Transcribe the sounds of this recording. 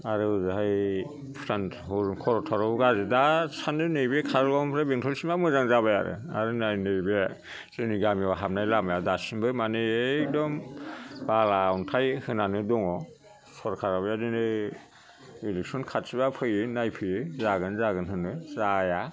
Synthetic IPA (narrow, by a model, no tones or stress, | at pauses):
aɾɯzaɦaj | pʰɾan | hɔkʰɔɾɔtʰɔɾɔɡazɯdasandɯnɯjbekʰaɾlɔmpʰɾebeŋtʰɔlsimamɯzaŋzaβajaɾɯ̰a̰ɾɯnajnɯjbe | zɯniɡamiwaɦap̚najlamajadasimbɯmanɯek̚dɔmbalawntʰajhɯnanɯdɔŋɔ | sɔɾkʰaɾabajadɯnɯ | ileksɔnkʰat̚sibapʰɯjɯnajpʰɯjɯzaɡɯnzaɡɯnɦɯnɯzaja